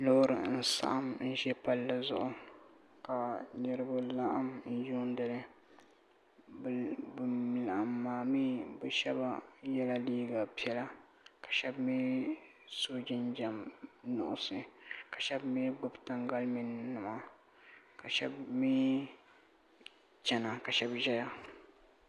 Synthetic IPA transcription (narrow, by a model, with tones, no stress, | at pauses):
lo˦ɾɨ˨n̩˦sa̰˦ʔa˦mn̩˦ʒɛ˦pa˦lːa˦zʊ̰˨ʔʊ˦ | ka˨nɨ˦ɾɨ˦ba˦la˦ʔa˦mn̩˦ju˦n˦dɨ˨lɨ˦ | bmɪ˨lʔa˨mːaː˨mi˦bɛ˨ʃɛ˦ba˦jɛ˦la˦liː˦ɡa˨pi˦ɛ˦la˦ | kḁ˨ʃɛ˦bmi˦ | so˦d͡ʒɪ˦nd͡ʒɛ˨mnʊ̰˨ʔʊ˦sɨ˨ka˨ʃɛ˦bmi˦ɡ͡bʊ˦bta˦ŋɡa˦lmɪ˨nːɨ˨ma˨ | ka˨ʃɛ̰˦bmiː˦ | t͡ʃɛ˨na˨ka˨ʃɛ˦bʒɛ˦ja˦